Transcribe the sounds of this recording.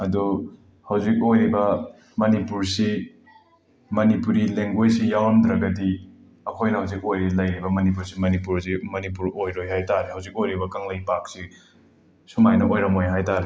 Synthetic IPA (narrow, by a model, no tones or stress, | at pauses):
ɐdɔ | hawzik̚ojɾibɐ | mɐnipuɾsi | mɐnipuɾileŋɡwejsijawɾɐmdɾɐɡɐdi | ɐkʰojnɐhawzik̚ojɾilɐjɾibɐmɐnip̬uɾsimɐnipuɾzimɐnip̬uɾojɾojɦajtaɾehawzik̚ojɾibɐkaŋlɐjpak̚si | sumajnɐʔojɾɐmojɦajtaɾe